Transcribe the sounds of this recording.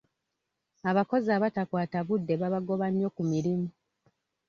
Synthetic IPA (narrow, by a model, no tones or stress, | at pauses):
aβako̞zaːβatakwaːtaβudːe̞βaβaɡo̞βaɲːo̞kumiɾimu